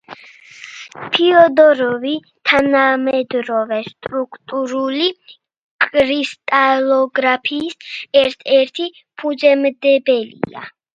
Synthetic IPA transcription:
pʰiɔd̪ɔɾɔvi | t̪ʰanamɛd̪ɾɔvɛst̪ʼɾukʰʼt̪ʼuɾuli | kʼɾist̪ʼalɔɡɾapʰiːsɛɾt̪ʰɛɾt̪ʰi | pʰud͡ʒɛmd̪ɛbɛlḭa̰

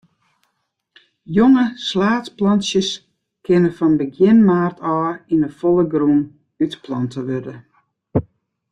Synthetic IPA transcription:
joŋəslaːt͡splɔnsjəs | kʰɪnəfɔnbəɡjɪnmaːrtʰɔːinəfɔlˠəɡruːn | ytplɔntʰəʋørdə

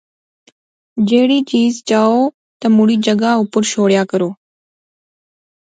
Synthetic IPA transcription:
d͡ʒeːɽiːt͡ʃiːzt͡ʃaːoː | t̪əmʊɽiːd͡ʒəɡaːʊpʊɾʃoːɽjaːkəɾoː

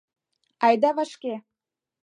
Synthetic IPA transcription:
ɑjd̪ɑβɑʃke

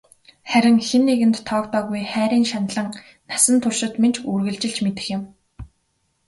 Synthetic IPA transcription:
χæɾʲɪ̆ŋxenːeɣɘ̆nt̪ʰːɔːkt̪ɔːɣujχæːɾiːnʃanɮə̆ŋ | nasə̆nt̪ʰʊrʃɪ̆t̪ment͡ɕurɣɘ̆ɮt͡ɕɪ̆ɮt͡ɕmet̪ɘ̆xjɪ̆m

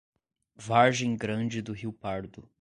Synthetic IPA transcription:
vaɾʒẽj̃ɡɾɐ̃d͡ʒɪd̪ʊɦiwpaɾd̪ʊ

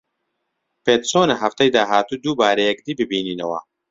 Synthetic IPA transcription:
peːt̪soːnɐɦɐft̪ɐjd̪aːɦaːt̪uːd̪uːbaːɾɐjɛkd̪iːbɨbiːniːnɐwɐ̰

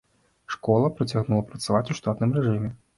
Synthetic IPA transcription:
ʂkɔlˠɐpɾɐt͡sʲaɣnulˠɐpɾɐt̪savat͡sʲuʂt̪at̪nɨmɾɛʐɨmʲɛ

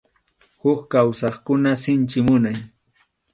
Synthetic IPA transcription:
hʊkkawsɑχkʊnasɪnt͡ʃɪmʊnaj

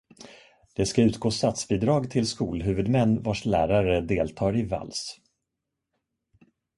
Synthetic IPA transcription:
d̪̥ɛskaʉ̟ːt̪ɡoːst̪at̪sbiːd̪ɾɑːɡt̪ʰɪlskuːlɦʉ̟ːvɵd̪mɛnːvaʂlæ̰ːɾaɾəd̪eːlt̪ʰɑːɾɪva̰ls

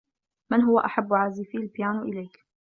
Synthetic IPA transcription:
mɪnɦʊwa̰ʔaħabːʊʕaːziːfiːalbɪjaːnʔɪ̰lajk

